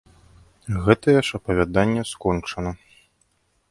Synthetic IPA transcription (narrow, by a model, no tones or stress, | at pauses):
ɣɛt̪ɐjɛʂɐpɐvʲad̪anʲːɛskɔnt͡ʂɐnɐ